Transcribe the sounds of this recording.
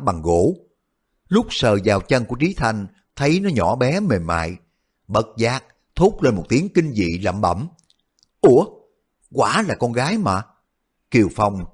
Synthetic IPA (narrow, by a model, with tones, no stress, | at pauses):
ɓa˨˩ŋɣo̰˧˥ | lʊ˦˥k͡p̚səː˨˩zaː˨˩wt͡ɕə˧nŋku˧˩ət͡ɕi˨˦t̪ʰa˨˩jŋ̟ | t̪ʰə˨˦jnɔ˨˦ɲɔ̰˧˩ɓɛ˨˦me˨˩nma̰ː˧˨j | ɓə˨˩t̚zaː˨˦˥k̚ | t̪ʰu˦˥k͡p̚le˧nmo˨˩t̚t̪i˨˦əŋki˧ŋ̟zḭ˧˨la̰ː˧˨mɓə̰˧˩m | ʔu˧˩ə | kwaː˧˩laː˨˩kɔ˧nɣaː˨˦jmaː˨˩ | ki˨˩əwfa˧˩wŋ͡m